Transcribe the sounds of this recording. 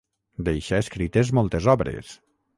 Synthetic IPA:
d̪ejʃaeskɾit̪ezmɔlˠt̪ezɔβɾḛs

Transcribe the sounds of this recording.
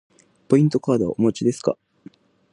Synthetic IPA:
po̞ĩnt̪o̞kaːd̪oβa̰ʔomot͡ɕid̪e̞sɨ̥ka̰

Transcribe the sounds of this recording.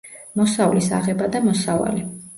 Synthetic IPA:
mɔsavlisa̰ʁɛbad̪amɔsava̰li

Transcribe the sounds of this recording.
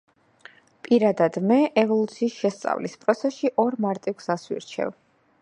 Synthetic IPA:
pʼiɾad̪ad̪mɛʔɛvɔlˠut̪sʰiːsʃɛst̪sʼa̰vlispʼɾɔt̪sʰɛsʃiʔɔɾmaɾt̪ʼiɡsaswḭɾt͡ʃʰɛ̰v

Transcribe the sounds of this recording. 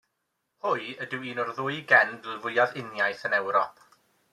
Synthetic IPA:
hʊjədɪwiːnɔrðʊjɡɛndɪlˠvʊjaðɪnjajθənɛwɾɔp̚ʰ

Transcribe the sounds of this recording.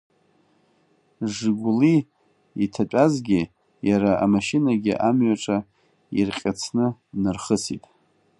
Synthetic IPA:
ʐɨɡʷʊli | itʰat͡pʷʼazɡʲɪ | jaɾaamaʃinaɡʲɪ̰ʔamɥaʈ͡ʂʼa | ḭrqʲʼat͡sʰnɨnɨrχəsḭtʼ

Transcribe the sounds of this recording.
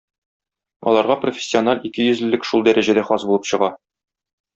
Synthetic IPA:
ɒ̰lˠɑɾʁɑprofʲɪ̥sʲːɪonɑlʲikɘjɵ̆zɘ̆lːɘkʃulˠd̪æɾæʑæd̪æχɒsbulɤpɕɤ̆ʁɑ

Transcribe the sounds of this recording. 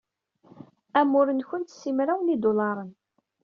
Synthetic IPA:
æmːʊɾənçənt̪sːimɾæwnid̪ulɑɾˤən

